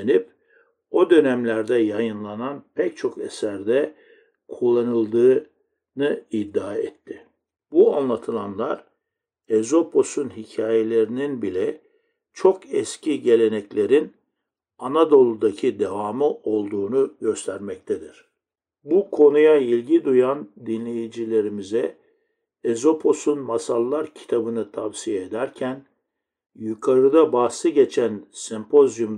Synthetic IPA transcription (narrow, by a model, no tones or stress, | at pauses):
enip̚ | o̞d̪ø̞næmlʲæɾd̪ɛjajɯnlˠananpʰɛc̚t͡ʃʰo̞kɛ̰sæɾd̪ɛ | kʰulˠːanɯlˠd̪ɯː | nɯid̪ːaːɛ̰t̪ʰːɪ | buanlˠat̪ʰɯlˠanlˠaɾ | ezo̞pʰo̞sunɦicʰaːje̞lʲe̞ɾininbilʲɛ | t͡ʃʰo̞kɛscʰiɟe̞lʲe̞nɛclʲe̞ɾin | anad̪o̞lˠud̪acʰid̪evaːmɯʔo̞lˠd̪uːnuɟø̞st̪ʰæɾmɛc̚t̪ʰed̪iɾ̥ | bukʰo̞nujailʲɟid̪ujand̪inlʲe̞jid͡ʒilʲe̞ɾimizɛ | ezo̞pʰo̞sunmasalˠːaɾcʰi̥t̪ʰabɯnɯt̪ʰavsijeed̪æɾcʰæn | jukʰaɾɯd̪abaːsɯɟe̞t͡ʃʰænsɛmpʰo̞zjum